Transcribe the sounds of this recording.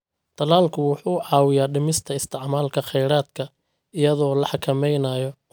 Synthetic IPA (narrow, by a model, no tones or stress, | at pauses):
t̪ʰɐlaːlkʰʊwʊħuːʕɑːwɪjaːɖɪmɪst̪ʰɐɪst̪ʰɪʕmaːlkʰɐχɛjɾaːd̪kʰɐ | ɪjɐðɔːlɐħɑkʰɐmɛjnaːjɔ